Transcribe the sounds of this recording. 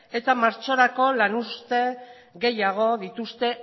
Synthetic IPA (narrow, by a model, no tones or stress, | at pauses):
e̞t̪amaɾt͡ʃo̞ɾako̞lanust̪e̞ | ɣe̞jaɣ̞o̞ðit̪ust̪e̞